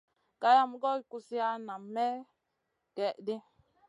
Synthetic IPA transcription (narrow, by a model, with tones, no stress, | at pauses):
ka˦ja˦mu˦ɡɔ˦i˨ku˦si˦a˦na˨mɛ˦ | kɛ˨ʔdi˦